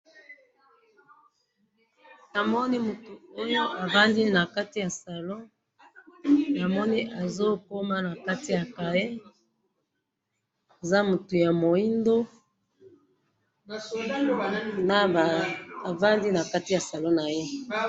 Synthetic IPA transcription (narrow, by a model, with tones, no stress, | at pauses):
na˨mɔ˦ni˦mu˨tu˨o˦jo˦ʔa˨ba˦ndi˦na˨ka˦ti˦ja˨sa˨lo˦ | na˨mɔ˦ni˦ʔa˨zo˦ko˦ma˦na˨ka˦ti˦ja˨ka˨je˦ | e˨za˦mu˨tu˨ja˨mo˨i˦ndo˦ | na˦˨a˨va˦ndi˦na˨ka˦ti˦ja˨sa˨lo˦na˨je˦